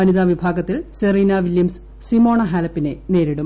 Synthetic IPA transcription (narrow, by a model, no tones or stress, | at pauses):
ɐniðaʋibʱaːɡɐt̪ːilseriːnaʋiljɐms | simo̞ːɳɐɦaːlɐpːinene̞ːɾiɽu